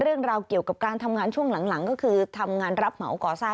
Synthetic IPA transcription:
ɾɯ˥˩əŋɾaː˧wki˨˩əwka˨˩p̚kaː˧nt̪ʰa˧mŋaː˧nt͡ɕʰu˥˩əŋla˩˦ŋla˨˩˦ŋkɔː˥˩kʰɯː˧t̪ʰa˧mŋaː˧nɾa˦˥p̚ma̰˨˩˦wkɔː˨˩saː˥˩

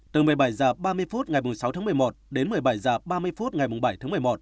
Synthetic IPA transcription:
t̪ɨ˨˩mɨ˨˩əjɓaː˧˩jzaː˨˩ɓaː˧mɨ˧əjfu˦˥t̚ŋa˨˩jm˨˩sa˨˦wt̪ʰaː˨˦mɨ˨˩əjmo˨˩t̚ɗe˨˦nmɨ˨˩əjɓaː˧˩jzaː˨˩ɓaː˧mɨ˧əjfu˦˥t̚ŋa˨˩jmʊ˨˩ŋ͡mɓa˧˩jt̪ʰːmɨ˨˩əjmo˨˩t̚

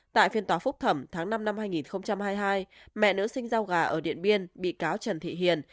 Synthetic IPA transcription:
t̪a̰ː˧˨jfi˧ənt̪waː˨˦fʊ˦˥k͡p̚t̪ʰə˧˩mt̪ʰaː˨˦ŋna˧mna˧mhaː˧jŋi˨˩nxə˧wŋ͡mt͡ɕa˧mhaː˧jɦaː˧jmɛ̰˧˨nɨ̰˧˥sï˧ŋ̟zaː˧wɣaː˧˩ʔəː˧˩ɗḭ˧˨ənɓi˧ənɓḭ˧˨kaː˨˦wt͡ɕə˨˩nt̪ʰḭ˧˨ɦi˧˨˩ən

